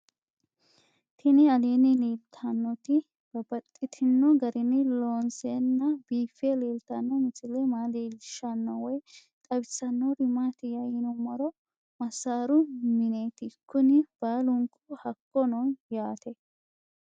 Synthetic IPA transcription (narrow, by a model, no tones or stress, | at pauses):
t̪ʰɪnɪɐleːnɪleːlt̪ʰɐnːɔt̪ɪ | bɐbɐt̪ʼːɪt̪ʰɪnːɔɡɐɾʔɪnɪloːnsenːɐbiːfeleːlt̪ɐnːɔmɪsɪlemaːleːlʃɐnːɔwɔj | t̪ʼɐbɪsːɐnːɔɾɪmaːt̪ɪjɐjɪnʊmɔɾɔ | mɐsaːɾʊmɪneːt̪ɪkːʊnɪb̥aːlʊŋkʰʊhɐkːɔnɔnjaːt̪ʰɛ